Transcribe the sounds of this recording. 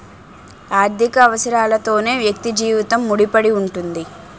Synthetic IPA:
aːɾd̪ʱikɐːʋɐsɐɾaːlɐt̪o̞ːne̞ːʋjɐk̚t̪id͡ʒiːʋit̪ɐmːuɽipɐɽiuɳʈund̪i

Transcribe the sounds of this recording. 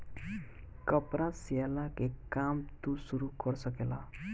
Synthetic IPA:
kʌpɾasijalakekamt̪usuɾukʌɾsʌkela

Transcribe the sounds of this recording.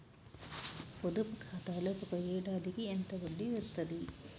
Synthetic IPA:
pod̪upkʰaːt̪aːlɐpɐkɐjeːɖaːd̪ikient̪ɐɡɐɳɖiʋest̪ɐd̪i

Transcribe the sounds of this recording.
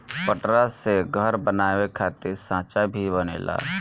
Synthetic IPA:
pəʈɾaseɡʱəɾbənaːwekʰaːt̪ɪɾsãːt͡ʃabʱibənḛːla̰ː

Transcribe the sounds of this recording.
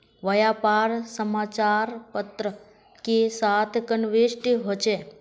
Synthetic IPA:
ʋəjapaɾsəmat͡ʃaɾpət̪ɾə | kesat̪ʰkənʋeʃʈiɦot͡ʃʰe

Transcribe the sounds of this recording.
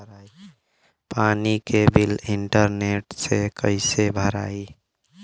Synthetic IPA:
ɾ | panikebiliɳʈəɾneʈsekəɪsebʱəɾa̰i

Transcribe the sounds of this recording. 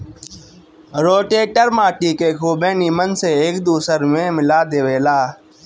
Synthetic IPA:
ɾoːʈeːʈəɾmaːʈiːkeːkʰoːbeːniːmənseːeːkd̪uːsəɾmẽːmɪlaːd̪eːʋeːlaː

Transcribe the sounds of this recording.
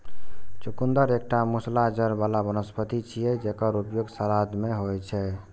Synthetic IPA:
t͡ʃukund̪əɾek̚ʈamuslad͡ʒəɾbalabənəspət̪it͡ʃʰijɛd͡ʒekəɾupjoɡsəɾad̪meɦojt͡ʃʰɛ

